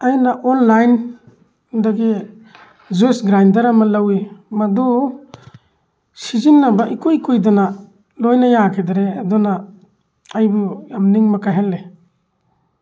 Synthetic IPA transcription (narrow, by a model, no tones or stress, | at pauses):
ajnaʔɔnlajn | daɡi | zesɡɾajndaɾamalawimadɔ | sizinːabaʔikujkujdɔna | lojnajakʰidaɾeadɔna | ajbujamniŋmakaɦalːe